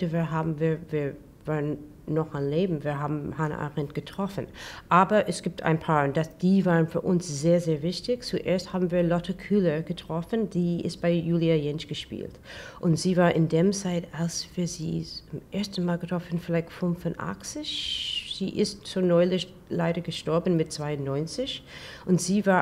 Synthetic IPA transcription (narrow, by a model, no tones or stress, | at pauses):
təviːɐɦaːbm̩viːɐviːɐ | vaːʁən | nɔχanleːbm̩viːɐɦaːbm̩hanə̰ʔa̰ʁɛntɡ̥ətʁ̥ɔfən̩ʔaːbɐʔɛsɡ̥iːp̚tʰa̰ɪ̃npʰaːnd̥asd̥iːvaːʁənfyːɐʔʊnsz̥eːɐzeːɐvɪçtɪçt͡suʔḛːɐsthaːbm̩viːɐlɔtʰəkʰyləɡ̥ətʁ̥ɔfənd̥iːʔɪ̰st̚b̥aɪjuːliajɛnsɡ̥əʃpḭːltʔʊntz̥iːvaːɐʔɪndeːmt͡saɪtalsfyːɐzḭːʊmʔeːɐstn̩maːlɡətʁ̥ɔfən̩fɪlaɪçfʊnfʊnʔa̰kt͡sɪçz̥ḭːʔɪstz̥oːnɔʏlɪçt | laɪɾɐɡəʃtɔɐbn̩mɪt̚t͡sv̥aɪʊnnɔʏnt͡sɪçʔʊntz̥iːvaː